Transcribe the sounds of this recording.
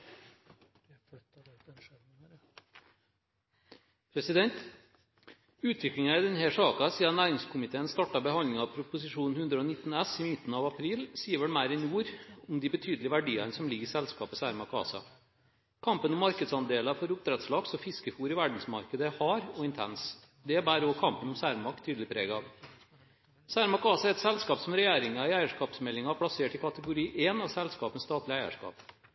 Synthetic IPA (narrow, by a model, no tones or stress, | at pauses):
pʰɾɛsɪd̪ɛnt̪ | ʉːt̪ʰʋɪklɪŋɑɪd̪ɛnhæʂɑːkɑsiːɑnæːɾɪŋskʰʊmɪt̪ʰeːənst̪ɑʈɑbəhɑndlɪŋɑʋpʰɾʊpʊsɪʂuːn̩hʉnd̪ɾəɔːnɪt̪ːnɛsimɪt̪ːnɑʋɑpʰɾiːlsiːəɾʋɛlmæɪɾɛnuːɾʊmd̪ibət̪ʰyːd̪lɪəʋæɖiːɑnəsɔmlɪɡəɪsɛlskɑ̰ːpəsæːɾmɑkʰɑ̰ːsɑ̰ | kʰɑmpənɔmːɑɾkəd̪sɑnd̪eːlɑfɔɾʊp̚t̪ʰɾɛt̪slɑːɡsɔfɪskəfuːɾɪʋæɖn̩smɑɾkəd̪əhɑːɾɔɪnt̪ʰɛns | d̪ɛbæːɾokʰɑmpənɔmsæːɾmɑkt̪ʰːyːd̪l̩ɪpʰɾḛːɡɑʋ | sæːɾmɑkɑːsɑæɾɛt̪sɛlskɑːpsɔmɾɛjæːɾɪŋɑɪæɪəʂkɑːpsmɛlːɪŋɑpʰɽɑseːʈɪkʰɑt̪əɡʊɾiːʔenɑʋsɛlskɑːpənst̪ɑːt̪lɪæɪə̰ʂkɑ̰ːp